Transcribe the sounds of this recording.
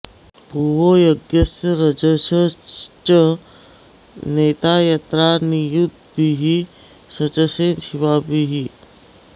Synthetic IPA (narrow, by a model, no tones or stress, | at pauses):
bʱuʋojoɡjəsɐɾɐd͡ʑəsət͡ʃə | neːt̪ajat̪ɾanijut̪̚biɦi | sɐt͡ʃəseːnʃiʋaːbiɦi